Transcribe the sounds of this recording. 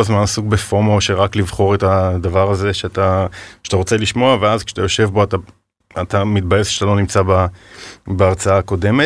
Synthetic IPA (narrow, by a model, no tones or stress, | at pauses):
azmanasukbefomoʃeʁaklivχo̞ʁetad̪avaʁaze̞ʃeat̪aʃat̪aʁot͡se̞liʃmo̞aveazke̥ʃeat̪ajo̞ʃe̞vbo̞at̪a | atamit̪̚baje̞sat̪alo̞nimt͡saba | beaʁt͡saako̞de̞me